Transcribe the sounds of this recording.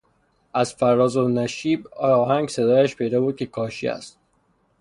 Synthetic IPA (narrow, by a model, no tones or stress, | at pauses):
æzfæɾːɒːzonæʃiːbɒːhæŋɡsed̪ɒːjæʃpʰe̞jd̪ɒːbuːd̪̚cʰe̞kʰɒːʃḭæ̰st̪̚